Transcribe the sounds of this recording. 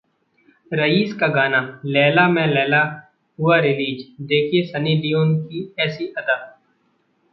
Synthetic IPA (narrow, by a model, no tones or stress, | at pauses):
ɾəiːskaɡaːnalɛːlamẽlɛːla | ɦʊaɾɪliːd͡ʒd̪eːkʰiesɐniːd̪ijoːnkiɛːsiʔɐd̪aː